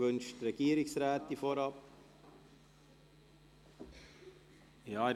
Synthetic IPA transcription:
vʏnʃtrɛɡ̥iːɾɪsraːtifoːɾɑp | jɑː

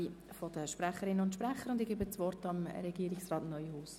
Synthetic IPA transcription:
i | fɔd̥əʃpɾæχəɾɪnːəʊntʃpɾæχːəɾʊndɪɡeːbət͡sʋɔrtɑmɾɛɡ̥iəɾɪksrɑːtnœʏhuːs

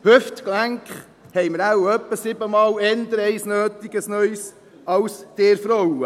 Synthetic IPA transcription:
hʏftklæŋkχ | hɛɪməɾawœpːəsɪbəmɑːlɛnd̪əɾɛɪsnøːtiɡəsnœjs | ɑwsd̥eːɾfɾɔwə

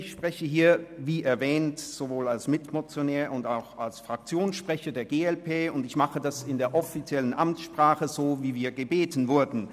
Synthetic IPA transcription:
ɪçʃpʁ̥ɛçəɦiːɐviːʔɛɐvɛːntz̥ovoːlalsmɪtmot͡sjonɛːɐʊndaʊxalsfʁ̥ak̚t͡sjoːnsʃpʁ̥ɛçɐdeːɐɡeːɛlpʰeːʊndɪçmaχədasɪndeːɐʔɔfit͡sjɛlənʔamt͡sʃpʁ̥aːχəzoːviːviːɐɡəbeːtn̩vʊɐdn̩

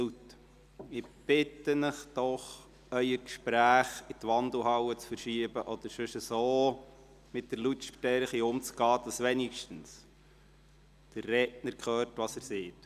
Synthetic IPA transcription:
ut | ɪb̥ɪtːənəχd̪̥ɔχ | œʏəkʃpɾæːχɪt̪ʋɑnd̪l̩ɦɑwət͡sfəɾʃiəbəʔɔd̥̪əɾʃʏʃəsoː | mɪt̚d̥̪əɾlutʃtɛɾχiʊmt͡sɡ̥ɑːd̥̪ɑsʋɛnikʃtən̩s | d̥ərːɛtnəɾkχøːrtʋɑsæɾseːt

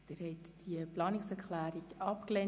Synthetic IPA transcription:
d̥ɪɾhɛtd̥iəplɑːnɪksɛɾkχlæːɾikɑpklɛ

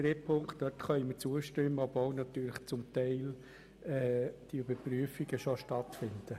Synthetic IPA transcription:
tɾepʰʊŋkt̚d̥œtχœʏimət͡suəʃtʏmːəɔbvolnɑt̪yːləχt͡sʊmt̪ɛɪl | ɛːd̥iybəɾpɾyəfiɡəʃoʃtɑtfɪnd̪̥ə

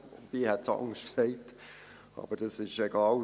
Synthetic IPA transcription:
pihɛt̚t͡sɑ̰ŋstksɛɪt | ɑ̰ːb̥əɾd̥ɑsɪʃɛɡ̥ɑːl

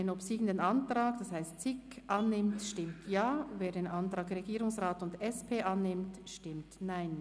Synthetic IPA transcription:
enɔpsiːɡən̩deːnɑntʁaːkd̥ashaɪstt͡sɪkʔanːɪmtʃtɪmtʰjaːveːdeːnʔantʁ̥aːkʁeɡiːɾʊŋsʁaːtʊndɛspʰeːʔanːɪmtʃtɪmtnaɪn

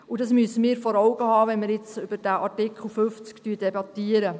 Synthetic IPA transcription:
udɑsmyəsəmiːɾfɔɾɔwɡəhɑːʋɛnməɾjɪt͡sʏb̥əɾd̥æʔɑɾtɪkχl̩ˠføft͡sktyːd̥ɛbɑt̪iəɾə

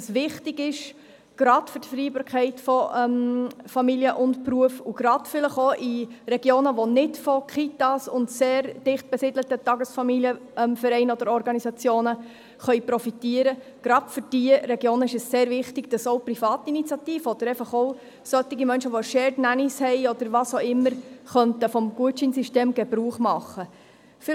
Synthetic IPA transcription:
sʋɪχtɪɡɪʃ | ɡ̥ɾɑdfʏɾtfɾiːbɑːɾkχɛɪtfɔʔɛmfɑmiljəʔʊntpɾuəfuɡ̥ɾɑd̥fɪləχoʔiɾɛɡjoːnəʋonɪdfɔkʰitɑsʊntseːɾd̥ɪχt̚b̥ɛsɪdlətətɑɡəsfɑmiliəɛmfəɾɛɪnɔd̥əɾɔɾɡɑnisɑt͡sjoːnə | χœʏjpɾɔfit̪iəɾəɡ̥ɾɑd̥fʏɾd̥iəɾɛɡjoːnəɪʃəsseːɾvɪχtɪɡ̥d̥ɑsoʊprifɑːt̪init͡sjɑt̪iːfəɔd̥̪əɾɛɪfəχoʊ | sœt̪ːɪɡimœnʃəʋoʃɛːdnænishɛɪɔd̥̪əɾʋɑsoɪmːəɾχœnt̪əfɔmɡ̥uət͡ʃinsiʃteːmɡ̥ɛbɾuːχmɑχə | fɪ

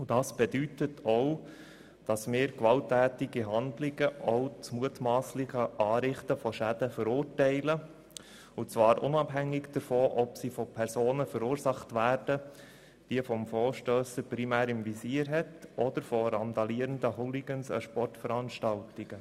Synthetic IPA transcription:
ʊd̥ɑːsb̥ɛdytətʰɔʊ | d̥ɑsmɪːɾkʋɑltːæːtɪɡiɦɑndlɪɡəʔɔʊt͡smuətmɑːslɪχəʔɑːɾɪχtəfɔʃæd̥əfəɾʊːrtɛɪlə | ʊt͡sʋɑːɾʔʊ̰nɑbɦæŋːɪɡd̥əɾfɔːʔɔpsifɔpʰɛɾsoːnəfəɾuːɾsɑχtʋæːɾd̥ə | d̥iəfɔmfɔːɾʃtøːsəpɾimæːɾɪmʋisiːəɾɦɛtɔd̥̪əɾfɔɾɑnd̪ɑliːəɾəndəɦɔliɡ̥ənsə̰ʃpɔrtfəɾɑnʃtɑltɪɡ̥ə

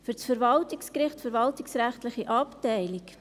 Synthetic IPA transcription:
fyɾt͡sfəɾvɑltikskɾɪχtfəɾvɑltɪksɾæχtləχiʔɑptɛɪlik

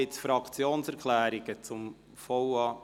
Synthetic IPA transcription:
ɪt͡sfɾɑkt͡sjoːnsɛɾkʰlæːɾiɡ̥ət͡sʊm | fɔwɑ

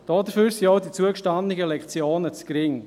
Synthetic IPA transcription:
d̥ɔːdəfyːɾsiɔwdit͡suəkʃtandɪɡəlɛkt͡sjoːnət͡skɾɪŋ

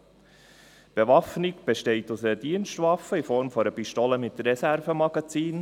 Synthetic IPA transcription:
b̥evɑfnɪɡb̥eʃtɛɪt̪usəəd̥iənʃtvɑfəifɔɾmfɔɾəpiʃtoləmɪt̪ɾɛsæɾvəmɑɡ̥ɑt͡siːn

